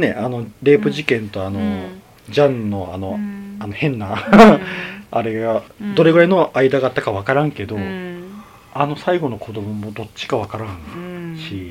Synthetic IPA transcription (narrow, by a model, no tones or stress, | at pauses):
ne̞̰ʔano̞ɾe̞ːpɯ̟ʑikẽ̞nt̪o̞ano̞ | d͡ʑãnːo̞ano̞ano̞hẽ̞nːa | aɾe̞ɡad̪o̞ɾe̞ɡɯ̟ɾeno̞ʔaid̪aɡaːt̪ːakaβ̞akaɾãŋke̞d̪o̞ | ano̞saiɡo̞no̞kʰod̪o̞mo̞mo̞d̪o̞t͡ɕːi̥kaβ̞akaɾãnɕi